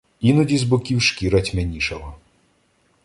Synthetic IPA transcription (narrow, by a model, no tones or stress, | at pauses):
inɔdʲizbʊkʲiwʃkʲiɾɐtʲmenʲiʃɔɦɔ